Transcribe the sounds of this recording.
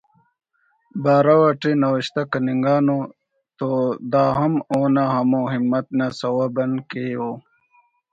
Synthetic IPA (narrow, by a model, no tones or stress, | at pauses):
baːɾawɐʈinɐwəɕt̪akɐniŋɡaːno | t̪od̪aːɦɐmoːnaɦɐmoːɦimːɐt̪̚nasɐwabɐnkejo